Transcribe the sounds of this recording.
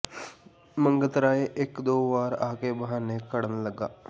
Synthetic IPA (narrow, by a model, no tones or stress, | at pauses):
mə̃ŋɡət̪ɾaːeʔɪkd̪oːʋaːɾa̰ːkeːbəɦãːneːkəɽənləɡaː